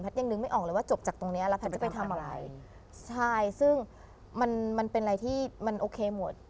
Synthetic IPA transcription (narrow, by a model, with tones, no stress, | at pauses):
npʰa˦˥t̪ja˧ŋnɯ˧ŋma˥˩jʔɔː˨˩klɤː˧˦waː˥˩t͡ɕo˨˩p̚t͡ɕaː˨˩k̚t̪o˧ŋni˦˥ɐ˧lɛ˦˥pʰa˦˥t̪̚t͡ɕpa˧jt̪ʰa˧mʔa˧ɾa˧j | t͡ɕʰa˥˩jsɯ˥˩ŋ | ma˧nma˧npe˧nʔɾa˧jt̪ʰiː˥˩ma˧nʔoː˧kʰeː˧mo˨˩˦t̪̚